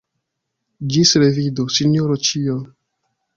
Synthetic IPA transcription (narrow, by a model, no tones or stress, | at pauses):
d͡ʒisɾevidosinoɾot͡ʃio